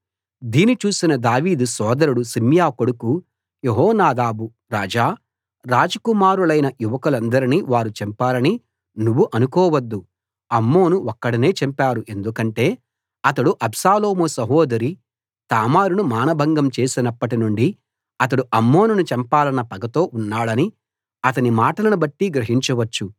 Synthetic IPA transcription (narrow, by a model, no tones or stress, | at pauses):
d̪iːnit͡ʃuːsinɐd̪aːʋiːd̪usɔːd̪ɐɾuɽusimjaːkoɽuku | jeɦɔːnaːd̪aːbu | ɾaːd͡ʒaː | ɾaːd͡ʒɐkumaːɾulɐjnɐjuʋɐkɐlɐnd̪ɐɾiniʋaːɾut͡ʃɛmpaːlɐni | nuʋːuʔɐnukɔːʋɐd̪ːu | ɐmːo̞ːnuɔkːɐɽɐne̞ːt͡ʃempaːɾuʔe̞nd̪ukɐɳʈe̞ː | ɐt̪̬ɐɽuʔɐbsaːlo̞ːmusɐɦoːd̪ɐɾi | t̪aːmaːɾunumaːnɐbʱɐŋɡɐmt͡ʃe̞ːsinɐpːɐʈinuɳɖi | ɐt̪̬ɐɽuʔɐmːo̞ːnunut͡ʃɛmpaːlɐnːɐpɐɡɐt̪o̞ːʔunːaːɭɐni | ɐt̪ɐnimaːʈɐlɐnubɐʈːiɡɾɐɦiɲt͡ʃɐʋɐt͡ʃːu